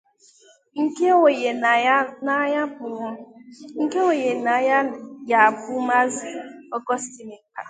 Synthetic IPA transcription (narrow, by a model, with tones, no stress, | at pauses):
ŋ̩˦ke˦o˨e˨˦na˦ja˦˨˦ŋ̩˨ke˦o˨je˨na˨ja˦ja˨a˨bʊ˦ma˦zi˨ɔ˦kɔ˦sti˨mɪ˨ŋ̩˦ka̰˨